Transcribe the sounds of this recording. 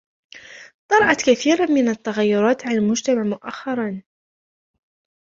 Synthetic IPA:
t̪ˤɑɾˤɑʔɑt̪kaθiːɾamɪnat̪ːaɣajːʊɾˤɑːt̪ʕalalmʊd͡ʒt̪amaʕmʊʔa̰xːɑɾˤɑn

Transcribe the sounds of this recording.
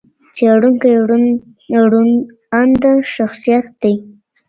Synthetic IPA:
t͡seɽuŋkaju | ɽun | and̪aʃaxsijat̪̚d̪ej

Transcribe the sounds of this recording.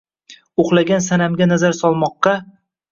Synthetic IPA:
oχlˠaɡʲansanamɡʲanazaɾsɒlˠmɒqːɑ

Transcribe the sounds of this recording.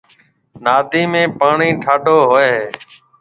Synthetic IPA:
naːd̪ʱiːmẽːpaːɳiːʈʰaːɖʱoːɦoeːɦː

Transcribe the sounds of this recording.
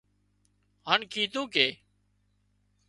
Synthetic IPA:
ɦaːnkʰiːt̪ũːkeː

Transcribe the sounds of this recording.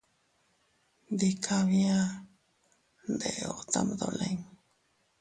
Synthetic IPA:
d̪ikʰaβia | nd̪eot͡sa̰md̪o̰leŋ

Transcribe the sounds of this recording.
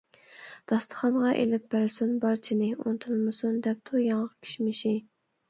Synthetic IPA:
d̪̥ɑst̪ʰə̥χɑnʁɑʔḛlɪp̚ːæɾsunbɑɾt͡ʃʰinɪṵnt̪ʰɨlˠmɨsund̪ɛp̚t̪ʰujɑɴəʁkʲʰi̥ʃmɪʃi

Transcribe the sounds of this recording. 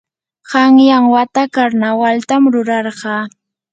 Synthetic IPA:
ɢɑŋjaŋwat̪akaɾnawalt̪amɾʊɾɑɾɢɑː

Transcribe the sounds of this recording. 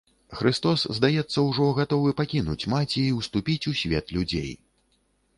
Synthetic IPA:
xɾɨst̪ɔszd̪ajɛt̪sːɐwʐɔɣat̪ɔvɨpakʲinṵt͡sʲmat͡sʲɛːwst̪upʲit͡sʲusʲvʲɛ̰t̪lʲud͡zʲḛj

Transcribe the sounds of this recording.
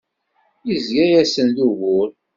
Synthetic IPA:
izjæjæsənðuɣʊɾ

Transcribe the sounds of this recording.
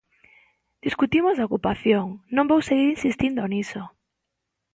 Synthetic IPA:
d̪̥iskut̪imozðaokupaθjoŋnõmbowseɣiɾinsist̪ind̪oniso

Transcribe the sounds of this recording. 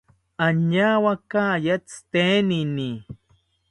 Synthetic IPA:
aɲawakajat͡st̪enini

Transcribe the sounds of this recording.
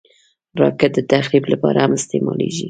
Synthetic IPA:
ɾɑkɪt̪̚d̪ət̪axliblapɑɾahamɪst̪emɑleʒi

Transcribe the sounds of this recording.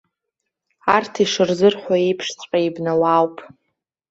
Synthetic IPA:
artʰiʂɨrzɨrħʷaepʰʂt͡sʷʼqʼaibnawawpʼ

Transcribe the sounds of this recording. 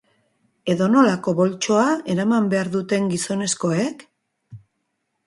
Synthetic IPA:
e̞ðo̞no̞lako̞βo̞lt͡ʃo̞ae̞ɾamambe̞aɾðut̪e̞ŋɡiso̞ne̞sko̞e̞k

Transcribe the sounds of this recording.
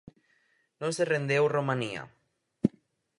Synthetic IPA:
nõserend̪ewromãnia̰

